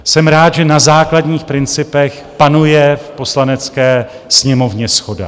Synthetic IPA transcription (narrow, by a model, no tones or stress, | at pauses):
sɛmɾaːt̪ʒɛnazaːkladɲiːxpɾɪnt͡sɪpɛx | panujɛfpo̞slanɛt͡skɛː | sɲɛmo̞vɲɛsxo̞da̰